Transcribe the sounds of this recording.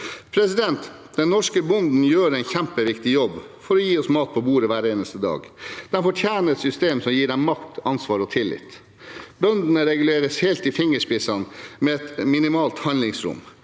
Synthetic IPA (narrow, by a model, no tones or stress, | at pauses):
pʰɾɛsɪd̪ɛnt̪ | d̪̥ɛnːɔʂkəbʊnd̪n̩jøːɾɛɪnçæmpəʋɪkt̪ɪjɔbː | fɔɾɔjiːɔsmɑːt̪̚pʰɔbuːɾəʋæːɾeːnəst̪əd̪ɑ̰ːɡd̪̥ɛnfɔʈʰjæːnəɛt̪sʏst̪eːmsɔmjiːɖɛmmɑkt̪ɑnsʋɑːɾɔt̪ʰɪlːɪ̰t̪ | bœnd̪ənəɾɛɡʉleːɾəsheːlt̪ɪfɪŋːəʂpɪsɑnmɛɛt̪mɪnɪmɑːlt̪hɑnlɪŋsɾʊ̰m